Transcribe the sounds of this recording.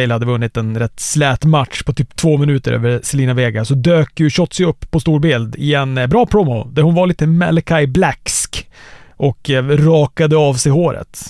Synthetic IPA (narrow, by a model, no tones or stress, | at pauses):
ɛjlhad̪ːəvɵnːɪt̪ɛnɾɛt̪ːslɛːt̪mat̪ʂpʰɔt̪ʰyːpt̪ʰvoːmɪnʉːt̪əɾʔø̰ːvəɾsɛliːnaveːɡasɔd̪øːkjɵɕɔt̪ːsɪɵpːpʰːɔst̪uːɾbɪld̪ɪɛnbɾɑːpʰɾɔmɔd̪æɾhʊnvaɭiːt̪əmɛ̰lkʰajblækskʔɔkɾɑːkad̪əɑvsɛjɦoːɾʔə̰t̪